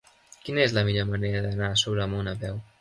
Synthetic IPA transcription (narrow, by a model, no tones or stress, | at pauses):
kinəezləmiʎoɾməneɾəd̪ənasoβɾəmunəβɛw